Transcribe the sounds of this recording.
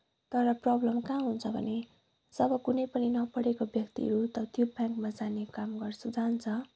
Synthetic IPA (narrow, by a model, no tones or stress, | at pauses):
t̪ʌɾʌprʌblʌmkaɦunt͡sʰʌbʱʌ̰ne | sʌbʌkunʌjpʌninʌpʌɽekobjʌkt̪ḭʌ̰ɾut̪ʌt̪jobʱjaŋkmad͡zanekamɡʌrsud͡zant͡sʰʌ